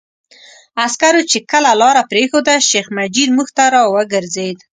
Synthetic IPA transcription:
askaɾot͡ʃekəlalɑɾapɾexod̪aʃexmad͡ʒid̪muxt̪aɾɑwəɡəɾzed̪

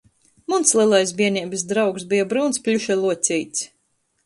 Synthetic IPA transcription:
munslʲˠiɛlˠajs̬bʲiɛnʲiːbɨsd̪ɾawksbijabɾuːnsplʲuʃɛlˠuɔt̪sʲijt̪s

